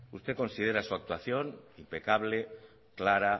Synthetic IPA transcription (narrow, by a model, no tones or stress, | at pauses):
ust̪e̞ko̞nsið̞eɾasuak̚t̪waθjo̞nimpe̞kaβle | klaɾa